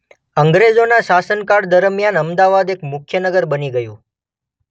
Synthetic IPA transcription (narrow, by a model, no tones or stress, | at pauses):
əŋɡɾed͡ʒonaʃasənkaɽd̪əɾmjanəmd̪aʋad̪ekmʊkʰjənəɡəɾbəniɡəjũ